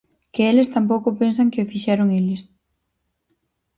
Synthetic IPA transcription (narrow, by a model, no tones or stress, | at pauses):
kɪelɪst̪amp̬owkʊpensɐŋkɪfiʃɛɾʊŋelɪs